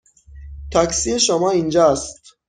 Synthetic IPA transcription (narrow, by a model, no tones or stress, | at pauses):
t̪ʰæksieʃomɒːind͡ʒɒst̪